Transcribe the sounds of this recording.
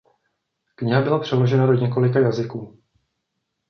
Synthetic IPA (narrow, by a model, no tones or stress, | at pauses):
kɲɪɦabɪlapr̝̥ɛlo̞ʒɛnado̞ɲɛko̞lɪkajazɪkuː